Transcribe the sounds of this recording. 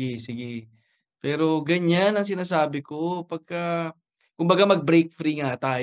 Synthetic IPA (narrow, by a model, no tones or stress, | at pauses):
ɛsɪɡɛ | pɛːɾo̞ɡɐɲanɐŋs̬ɪnaːsaːbɪkopɐɡ̚ka | kʊmbɐɡamɐɡ̚bɾejk̚fɾiŋat̪aː